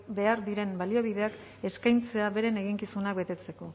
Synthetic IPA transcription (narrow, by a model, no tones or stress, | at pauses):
be̞aɾðiɾe̞mbalio̞β̞iðe̞ak | e̞skajnt͡seaβe̞ɾe̞ne̞ɣiŋkisunak̚be̞t̪e̞t͡se̞ko̞